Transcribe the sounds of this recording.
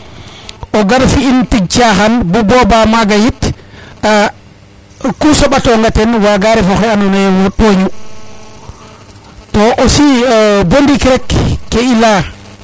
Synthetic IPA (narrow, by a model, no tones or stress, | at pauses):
ʔɔɡaɾfiːntiɡ̚t͡ʃaɦanbubɔbamaɡajit | a | kusɔɓatɔŋɡatɛnwaɡaɾɛfɔkɛanɔnajɛwnaɗoɲu | tɔʔɔsibondikɾɛkːɛila